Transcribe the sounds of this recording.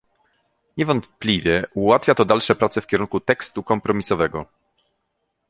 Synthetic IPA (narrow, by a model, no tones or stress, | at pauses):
ɲɛvɔnt̪plʲivʲjɛuwat̪fʲjat̪ɔd̪alʂɛpɾat̪sɛfkʲɛɾuŋkut̪ɛkst̪ukɔmpɾɔmʲisɔvɛɡɔ